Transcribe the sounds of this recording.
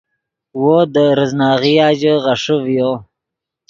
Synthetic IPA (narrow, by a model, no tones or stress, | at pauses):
wod̪əɾəznɑːɣiɑːd͡ʒəʁaʂəvjo